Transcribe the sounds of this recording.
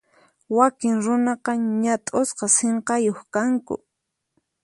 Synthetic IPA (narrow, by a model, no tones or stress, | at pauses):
wakɪŋɾʊnɑqɑɲat̪ʼosqɑseɴqɑjoχkaŋkʊ̰